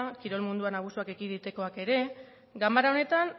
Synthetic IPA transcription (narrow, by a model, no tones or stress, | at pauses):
kiɾo̞lmund̪uanaɣ̞usuake̞ɣiðit̪eko̞ake̞ɾe̞ | ɡambaɾao̞ne̞t̪an